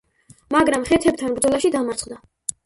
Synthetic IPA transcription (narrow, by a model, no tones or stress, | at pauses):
maɡɾamχɛt̪ʰɛb̚t̪ʰanbɾd̪zɔlˠaʃid̪amaɾt̪sχd̪a